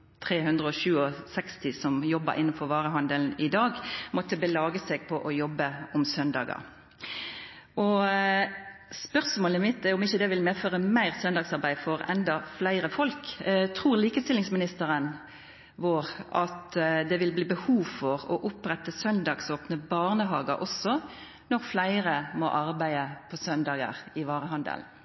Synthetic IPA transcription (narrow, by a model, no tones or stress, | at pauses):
t̪ʰʁeːhʉnd̪ʁəɔʃʉːɔsɛkst̪ɪsɔmjɔbə̰ɾʔɪnːnfɔʁʋɑːʁəɦɑnd̪əln̩ɪd̪ɑːɡmɔt̪ːəbəlɑːɡəsɛɡpʰɔʔɔjɔbːəɔmsœnd̪ɑ̰ːɡɑ̰ʁ | ʔɔ | spœʁsmoːləmɪt̪ːɛɔmɪçːəd̪ɛʋɪlmeːføːʁəmæɪʁsœnd̪ɑɡsɑʁbæɪfɔʁɛ̰nd̪ɑflæɪʁəfɔlkt̪ʰʁuːʁliːkəst̪ɪlːɪŋsmɪnɪst̪əʁən | ʋoːʁʔɑt̪d̪ɛʋɪlbliːbəhuːʋfɔʁɔʔʊpɾɛt̪ːəsœnd̪ɑɡsoːpnəbɑːʁnəɦɑːɡɑʔɔsːɔ | nɔʁflæɪʁəmɔ̰ʔɑɾbæɪəpʰɔsœnd̪ɑːɡə̰ʁɪʋɑːʁəɦɑnd̪ə̰l